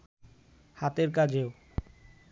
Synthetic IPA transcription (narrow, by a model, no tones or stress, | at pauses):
hat̪eɾkad͡ʑeo